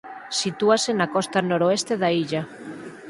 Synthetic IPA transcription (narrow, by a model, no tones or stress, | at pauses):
sit̪uasenakɔst̪anoɾoest̪eðaiʎa